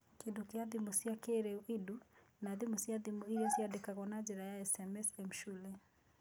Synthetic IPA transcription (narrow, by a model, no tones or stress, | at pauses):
kedukeaðimusiakeɾɛuʔidunaðimusiaðimuiɾɛsiadɛkaɣɔnad͡ʒɛɾajaɛsɛmɛsɛm̩ʃulɛ